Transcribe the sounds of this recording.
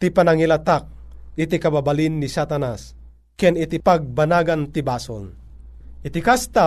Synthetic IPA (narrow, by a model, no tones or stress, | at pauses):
t̪ipanaŋilat̪ak̚ɪt̪ikababalinːisat̪anas | kɛnɪt̪ipaɡ̚banaɡant̪ibaːso̰l | ʔɪt̪ikast̪a